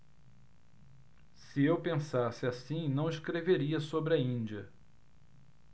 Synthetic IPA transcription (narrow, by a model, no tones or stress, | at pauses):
sɪewpẽsasɪasĩnɐ̃w̃ɪskɾeveɾiɐsobɾɪɐĩnd͡ʒiɐ